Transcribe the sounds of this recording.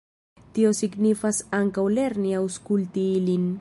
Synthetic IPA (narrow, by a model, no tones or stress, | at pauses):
t̪iosiɡnifasaŋkawleɾniawskult̪iilin